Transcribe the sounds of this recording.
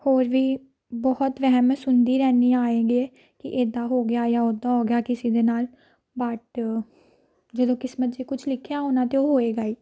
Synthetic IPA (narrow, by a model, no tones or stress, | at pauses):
hoːɾʋiː | bɔːɔt̪ʋɛɦɛmsʊnd̪iːɾɛːniːaːeːɡiːeː | kɪ̰ʔeːd̪aːɦoːɡɪjaːjaːod̪aːɦoːɡɪjaːkɪsiːd̪eːnaːl | baːʈ | d͡ʒəd̪õːkɪsmət̪̚d͡ʒiːkʊt͡ʃʰlɪkʰjaːɦonãːt̪eoːɦoːeːɡaːiː